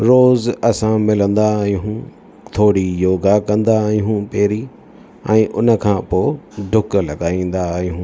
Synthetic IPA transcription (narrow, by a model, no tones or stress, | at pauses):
ɾoːzɐsãmɪlə̃nd̪aɦũ | t̪ʰoːɽijoːɡakɐ̃nd̪aɦiɦũpeːɾi | ɛ̃ːʔʊnə̆kʰãːpoːɖʱʊklɐɠaːĩːn̆d̪ajũ